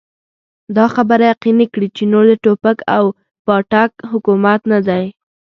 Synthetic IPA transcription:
d̪ɑxabəɾajaqinikɽit͡ʃenoɾd̪əʈopakaw | pɑʈakɦʊkumat̪nad̪aj

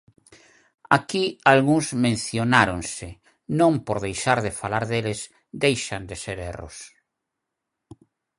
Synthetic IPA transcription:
akialɣuŋzmẽn̟θjonaɾonsɪ | nõŋpoɾðejʃaɾðɪfalaɾðelɪs | d̪ejʃand̪eseɾero̰s

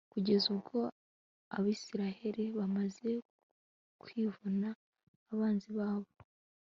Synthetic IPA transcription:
kuɟe̞zuβɡo̞ | a̰βiːsiɾahe̞ɾiβamaze̞ | kwiːvunaː | βaːnziβaːβo̞

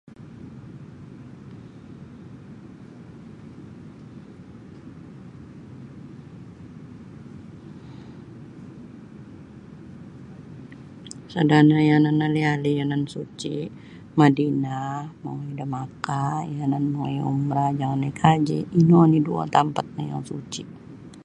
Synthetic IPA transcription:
sadanajananːalialijanansut͡ʃi | madinamaŋjdəmakajananmoŋjṵmɾad͡ʒaŋanːakʰad͡ʒḭinonidua̰t̪ampat̪̚nəja̰ŋsut͡ʃi

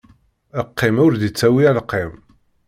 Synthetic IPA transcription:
əqːɪmʊɾðit͡sːæwiælqːɪm

